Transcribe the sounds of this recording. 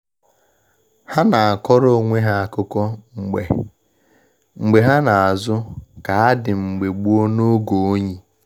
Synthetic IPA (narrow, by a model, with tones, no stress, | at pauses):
ha˦na˨a˨kɔ˦ɾo˦o˨ŋʷe˦ɦa˨a˨kʊ˦kɔ˦ŋ͡m̩˨ɡ͡bḛ˨ | ŋ͡m̩˨ɡ͡be˨ɦa˦na˨a˨zʊ˦ka˨a˦dɪ˨ŋ͡m̩˨ɡ͡be˨ɡ͡bu˦o˦no˦ɡo˨o˦ɲi˦